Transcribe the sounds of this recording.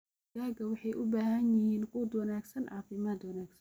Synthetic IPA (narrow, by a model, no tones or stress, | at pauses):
ɡaːɡɐwɑħɑjʔʊbaːhɐnjɪhiːnquːd̪wɑnaːɡsɐnʕɑːfɪmaːd̪wɐnaːɡsɐn